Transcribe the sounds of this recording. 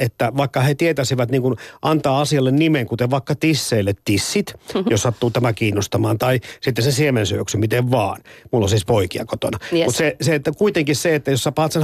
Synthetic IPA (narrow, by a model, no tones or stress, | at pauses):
et̪ːæʋɑikːɑhet̪iet̪æsiʋæt̪niːŋkunʔɑnt̪ɑːɑsiɑlːennimeŋkut̪eʋʋɑikːɑt̪isːeilːet̪tisːit̪jossɑt̪ːuːt̪æmækiːnːost̪ɑmɑːnt̪ɑisit̪ːesesiemensyøksymit̪eʋʋɑːnmulːo̰sispoikiɑkot̪o̰nɑmut̪seset̪ːækuit̪eŋkisseet̪ːæjossɑpɑːt̪sen